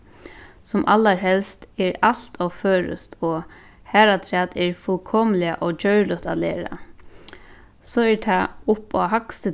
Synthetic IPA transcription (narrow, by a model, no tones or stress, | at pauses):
sʊmʔa̰lːaɹɦɛlst̪ɛɹal̥t̪ʰɔføːɾʊ̰st̪ɔ | hæːɾat̪ʰɾɛːt̪ɛɹfʊlkʰɔːmɪlɪaʔɔt͡ɕœɥɹlʊt̪a̰lɛ̰ːɾa̰ | sɔːɛɹt̪ʰaʊpɔ̰ɦaksɪ